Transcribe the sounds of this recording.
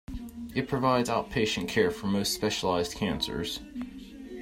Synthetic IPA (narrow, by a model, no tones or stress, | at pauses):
ɨt̚pʰɹ̥ɨvaɪdzaʊt̚pʰeɪʃɨ̃nkʰɛɹfə˞moʊstspɛʃəlaɪzd̚kʰæ̃nsə̰˞z̥